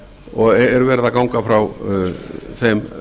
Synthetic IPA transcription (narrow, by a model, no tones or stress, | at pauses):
ɔɣɛɾvɛːɾɪðakaːwŋkafɾaw | θejm